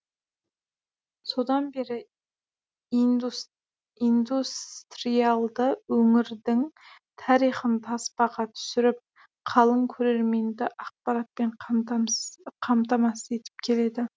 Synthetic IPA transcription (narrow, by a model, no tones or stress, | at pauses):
so̞d̪ɑnbe̞ɾɪ | ind̪ust̪ɾijɑlˠd̪əwɵŋɪɾd̪ɪŋ | t̪ʰɑɾijχənt̪ʰɑspɑʁɑt̪ʰʏ̥sɪɾɪp̚ | qʰɑlˠəŋkʲʰɵɾe̞ɾme̞nd̪ɪʔɑq̚pɑɾɑt̪̚pe̞ɴ | qʰɑmt̪ɑmɑsəe̞t̪ɪ̥p̚kʲʰe̞le̞d̪ɪ